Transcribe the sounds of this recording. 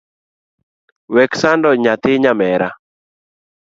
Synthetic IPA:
wɛksandɔɲat̪ɪɲamɛɾa

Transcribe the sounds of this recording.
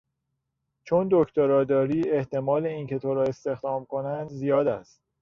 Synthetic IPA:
t͡ʃʰond̪ocʰt̪oɾɒːd̪ɒːɾiːe̞ht̪e̞mɒːle̞iːncʰe̞t̪ʰoɾɒːe̞st̪e̞xd̪ɒːmkʰo̞nænd̪zijɒːd̪æ̰st̪̚

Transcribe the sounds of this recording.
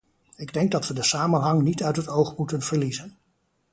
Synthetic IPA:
ɪɡdɛŋɡ̚dɑtʋədəsaːmənɦɑŋnitœɥtɦətowχmutənv̥əɹlizən

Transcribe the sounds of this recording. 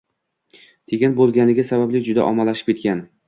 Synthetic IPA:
t̪ʰeɡʲanbolˠɡʲanɪɡʲasabablɪd͡ʒʊd̪a̰ʔɒmalaʃɪ̥pkʲʰekʲan

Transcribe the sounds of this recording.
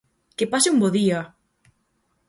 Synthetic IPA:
kepasɪumboðiɐ

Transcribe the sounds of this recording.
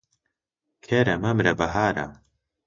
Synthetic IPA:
kʰeːɾɐmɐmɾɐbɐɦaːɾɐ̰

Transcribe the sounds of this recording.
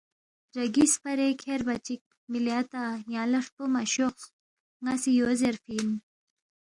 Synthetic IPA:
ɾɐɡispɐɾekʰeɾbɐt͡ɕik̚ | milaːt̪ajɑ̃ːlɐʂpomaɕoq | ŋasijoːzeɾfiːn

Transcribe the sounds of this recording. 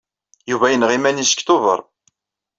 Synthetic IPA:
juvæjənʁimænisə̥kt̪ʊvə̰ɾˤ

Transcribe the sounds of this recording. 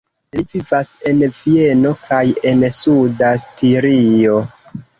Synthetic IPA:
livivase̞nvie̞no̞kʰaje̞nsudastiɾio̞

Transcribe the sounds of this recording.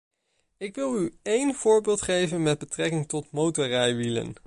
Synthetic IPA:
ɪkʋɪlˠyejnv̥ʊːɹbɪːlˠtχejvənmɛd̚bətrɛkɪŋtɔtmowtərɛjʋilə̰n

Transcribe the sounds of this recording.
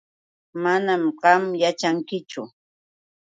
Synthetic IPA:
manamɢɑmjat͡ʃaŋkɪt͡ʃʊ

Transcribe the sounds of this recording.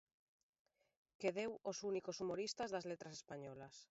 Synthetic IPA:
keðewosunikosumoɾist̪azðazlet̪ɾasespaɲɔlas

